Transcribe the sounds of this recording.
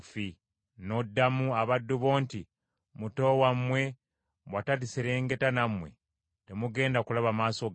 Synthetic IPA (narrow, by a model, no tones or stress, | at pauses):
fi | no̞dːamuaβadːuβoːnti | muto̞wamwe̞ | βwatalisiɾe̞ːŋɡe̞tanamwe̞̰ | te̞muɡe̞ːndakulaβamaːso̞ɡ